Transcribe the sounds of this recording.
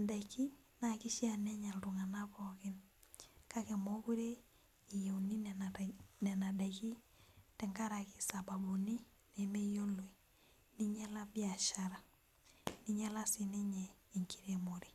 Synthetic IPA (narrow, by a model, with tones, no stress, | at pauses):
da˨ki˦ | na˨ki˦ʃi˦a˨nɛ˦ɲa˨ltu˨ŋa˨na˦kɔkɪ˦n | ka˦kɛ˨mo˦ku˦ɾe˦ | i˨jo˨ni˦ | nɛ˨na˨da˨ki˦ | tɛ˨ŋɡa˦ɾa˨ki˨sa˨ba˨bu˨ni˦ | ne˨me˦jo˦lo˨i˨ | ni˦ɲɛ˦la˦bi˦a˨ʃa˨ɾa˨ | ni˦ɲɛ˦la˦si˨ni˦ɲɛː˨ŋkʰi˨ɾemo˨ɾi˨